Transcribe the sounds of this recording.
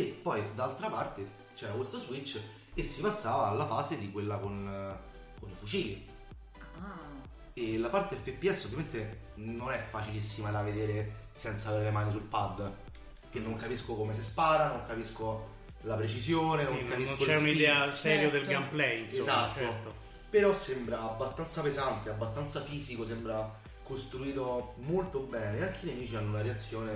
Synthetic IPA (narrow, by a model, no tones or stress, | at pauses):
epːɔjd̪aalt̪ɾapart̪e | t͡ʃɛːɾakwest̪ozwit͡ʃː | esːipasːaːvaːlːafaːzed̪ikwelːakon | konifut͡ʃiːli | a | elapart̪eɛfːepːiɛsːolvjament̪e | nonɛfːat͡ʃilisːimad̪aved̪eːɾe | sɛnt̪saːveɾelemaːnis̬ulpad̪ː | k̟enːoŋkapiskokomes̬espaːɾanoŋkapisko | lapɾet͡ʃizjoːnenoŋkːapisnkolt͡ʃɛunid̪ɛːasɛːɾjod̪elɡamplɛjnszat̪ːot̪ːo | peɾɔsːembɾaːbːast̪ant̪sapezant̪eabːast̪ant̪safiːzikosembɾa | kost̪ɾuiːt̪omolt̪obɛːneaŋk̟ːiliamiːt͡ʃianːounaɾeat̪sːjoːne